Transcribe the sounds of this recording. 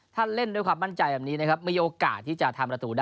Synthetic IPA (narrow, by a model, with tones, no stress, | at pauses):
t̪ʰa˥˩nle˥˩nduː˧jkʰwaː˧mːa˥˩nt͡ɕa˧jbɛː˨˩p̚niː˦˥na˦˥kʰa˦˥p̚miː˧ʔoː˧ka̰ː˨˩t̪ʰːiː˥˩t͡ɕa˨˩t̪ʰa˧mpɾa˧t̪uː˨˩daː˥